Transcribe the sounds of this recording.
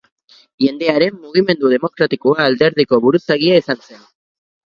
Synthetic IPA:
ʝe̞nd̪e̞aɾe̞mːuɣ̞ime̞nd̪uð̞e̞mo̞kɾat̪ikoaːld̪e̞ɾðiko̞βuɾusaɣiaisanse̞n

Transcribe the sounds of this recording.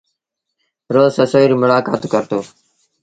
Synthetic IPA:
ɾoːsəsoːiɾuːmʊlaːkaːt̪ːkəɾt̪oː

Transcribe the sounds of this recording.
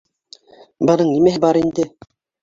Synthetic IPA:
bɤ̆nɤɴnimæɦɘbɑɾind̪ɘ

